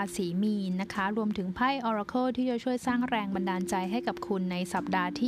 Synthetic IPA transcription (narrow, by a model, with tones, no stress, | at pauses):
a˧siː˩˦miː˧na˦˥kʰa˦˥ɾu˧əmt̪ʰɯ˩˦ŋpʰa˥˩jʔɔː˧ɾa˧kʰoː˥˩t̪ʰiː˥˩t͡ɕa˨˩t͡ɕʰu˥˩əjsaː˥˩ŋɾɛː˧ŋba˧ndaː˧nt͡ɕa˧jɦa˥˩jka˨˩p̚kʰu˧nːa˧jsa˨˩p̚daː˧t̪ʰiː˥